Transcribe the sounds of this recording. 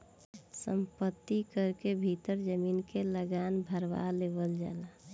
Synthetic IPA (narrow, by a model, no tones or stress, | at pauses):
sə̰mpət̪ːikəɾkebʱit̪əɾd͡ʒəmiːnkeləɡanbʱəɾʋa̰leːbəld͡ʒa̰ːla